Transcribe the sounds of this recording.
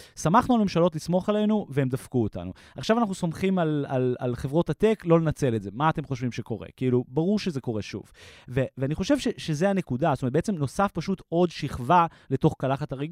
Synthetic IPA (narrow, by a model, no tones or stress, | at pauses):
samaχnualmemʃalot̬lismo̞χale̞nuveemd̪afkuota̰nu | aχʃavanaχnuso̞mχimalala̰lχevʁo̞tateklo̞lenat͡se̞letze̞maːte̞mχo̞ʃvimʃeko̞ʁḛkiilubaʁuʁʃeze̞ko̞ʁeʃṵvveveaniχo̞ʃe̞vʃeʃezeane̞kudastomet̪̚beet͡semno̞safpaʃut̪o̞d̪ʃiχva | le̞to̞χkalaχataʁiɡ